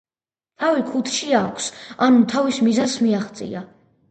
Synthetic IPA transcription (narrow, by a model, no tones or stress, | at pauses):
t̪ʰavikʰut̪ʰʃiakʷʰsanut̪ʰavismizansmiaχt̪sʼḭa